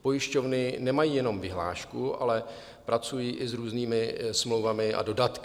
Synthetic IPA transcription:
pojɪʃcovnɪnɛmajiːjɛno̞mvɪɦla̰ːʃkuʔa̰lɛ | pɾat͡sujiːʔɪzɾuːzniːmɪsmlowvamɪʔa̰do̞dat̪k

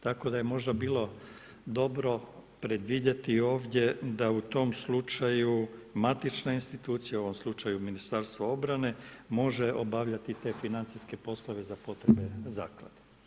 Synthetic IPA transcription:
t̪ako̞d̪aje̞mo̞ʒd̪abiːlˠo̞ | d̪o̞bɾo̞pɾe̞d̪ʋid̪et̪io̞ːʋd̪je̞d̪aut̪o̞mslut͡ʃajumat̪it͡ʃnainst̪it̪uːt̪sijao̞ʋo̞mslˠut͡ʃajuminist̪aɾst̪ʋao̞bɾane̞mo̞ʒe̞ʔo̞baʋʎat̪it̪e̞ːfinant̪siske̞po̞slˠoʋe̞zapo̞t̪ɾebe̞zaːklˠa̰d̪̥e

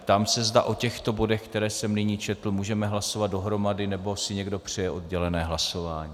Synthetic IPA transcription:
t̪amsɛzda̰ʔo̞cɛxt̪o̞bo̞dɛxkt̪ɛɾɛːsɛmnɪɲiːt͡ʃɛt̪l̩muːʒɛmɛɦlaso̞vat̪do̞ɦɾo̞madɪnɛbo̞sɪɲɛɡdo̞pr̝̥ɛjɛʔo̞d̪ɟɛlɛnɛːɦlaso̞vaːɲiː

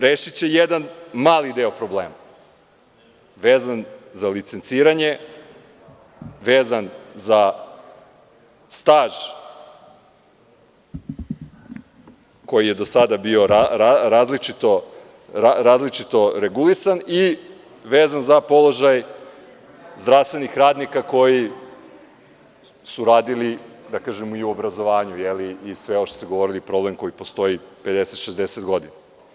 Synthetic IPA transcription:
ɾeːʃit͡ɕe̞jed̪anmaːlid̪eːopɾo̞blḛːma | ʋeːzanzalit̪sent̪siːɾaɲe̞ | ʋeːzanza | st̪aːʒ̥ | ko̞jije̞d̪o̞sad̪abio̞ɾaaɾaːzlit͡ʃit̪o̞ | ɾaɾaːzlit͡ʃit̪o̞ɾeɡulisani | ʋeːzanzapo̞lˠo̞ʒaj | zd̪ɾafst̪ʋe̞nixɾaːd̪nikako̞ji | suɾaːd̪ilid̪akaːʒemuiuo̞bɾazo̞ʋaːɲujeliːsʋe̞oʃt̪ost̪eɡo̞ʋo̞ɾilipɾo̞ble̞mko̞jipo̞st̪o̞ipe̞d̪e̞set̪ʃezd̪eset̪ɡo̞d̪ina

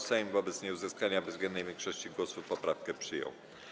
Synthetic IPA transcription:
sɛjmvɔbɛt̪sɲejuzɘskaɲabɛzɡmʲɛnd̪nɛjvʲɛŋkʂɔɕt͡ɕiɡwɔsupɔpɾafkɛpʂɘjɔ̰w

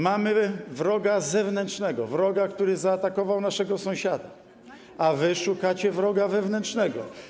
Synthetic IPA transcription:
mamɘvɾɔɡazɛvnɛntʂnɛɡɔvɾɔɡakt̪uɾɘzaːt̪akɔvawnaʂɛɡɔsɔ̃w̃ɕad̪a | avɘʂukat͡ɕɛvɾɔɡavɛvnɛntʂnɛɡɔ

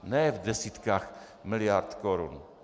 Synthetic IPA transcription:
nɛvdɛsiːt̪kaːx | mɪlɪjaɾt̪kɔɾun

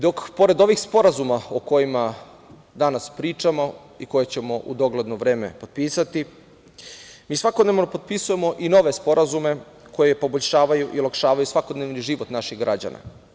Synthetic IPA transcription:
d̪o̞kpo̞ɾe̞d̪o̞ʋixspo̞ɾazumaoko̞jima | d̪anaspɾiːt͡ʃamo̞ | iko̞jet͡ɕe̞mo̞ʔud̪o̞ɡled̪no̞ʋɾe̞ːme̞̰po̞d̪̚piːsat̪i | miːsʋakod̪ne̞ʋno̞po̞d̪̚pisuje̞mo̞ʔino̞ʋe̞spo̞ɾʔazume̞ | ko̞jepo̞boʎʲʃaːʋajuʔiulakʃaːʋajusʋako̞d̪neʋniʒiʋot̪naʃiɣɡɾʔad͡ʑa̰na̰

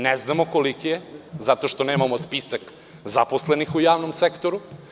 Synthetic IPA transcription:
neznamokolikijezat̪oʃt̪o̞neːmamospisak | zaposlenixujaːʋnomsekt̪oɾu

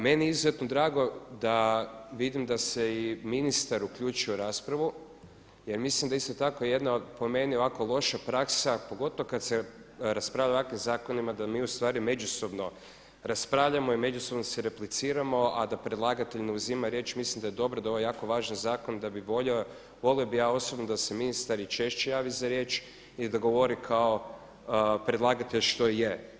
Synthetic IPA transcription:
me̞nieizuze̞t̪nod̪ɾaːɡo̞d̪aʋid̪imd̪aseiminist̪aɾukʎuːt͡ʃujoɾaːspɾaʋu | je̞ɾmislˠimd̪aist̪o̞t̪ako̞jeje̞d̪naopo̞me̞nio̞ʋaːkolˠo̞ʃapɾaksapoɡo̞t̪oʋokad̪seɾaspɾaːvʎaʋakʋimzaːko̞nimad̪amiːust̪ʋaːɾime̞d͡ʒuso̞bno̞ | ɾaspɾaːʋʎamo̞ime̞d͡ʒuso̞bnosiɾe̞plit̪siːɾamo̞ad̪apɾe̞d̪lˠaːɡat̪eʎneuziːmaɾje̞ːt͡ʃmislimd̪ajed̪o̞bɾod̪aoʋojaːko̞ʋaːʒanzaːko̞nd̪abiʋoʎ | ʋo̞liobijaːo̞sobnod̪aseminist̪aɾit͡ʃe̞ʃt͡ʃe̞jaːʋizaɾje̞ːt͡ʃ | id̪aɡo̞ʋo̞ɾikʰao̞ | pɾed̪lˠaːɡat̪e̞ʎʃt̪o̞je

